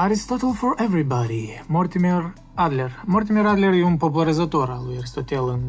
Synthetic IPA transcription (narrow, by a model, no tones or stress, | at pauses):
aɾist̪ɔt̪əlˠfɔɹɛvɾibaɾimɔɾt̪imɛɾ | ad̪lʲeɾmɔɾt̪imɛɾad̪leɾjiunpopulˠaɾizat̪oɾalˠujaɾist̪ot̪ɛlˠɨn